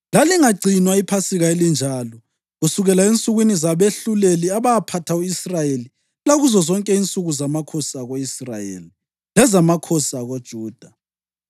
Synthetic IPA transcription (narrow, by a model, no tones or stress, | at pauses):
laliŋaɡ͡ǀʱinwaipʰasiɣaelind͡ʒʱaːlɔ | ɣusuɣɛlaent͡sʼuɣwinizaβeɬuleliaβaapʰatʰauisrajeli | laɣuzɔzɔŋkʼɛint͡sʼuɣuzamakʰɔsaɣoisra̰jḛli | lɛzamakʰɔsaɣod̥ʒ̥ʱuːd̥ʱa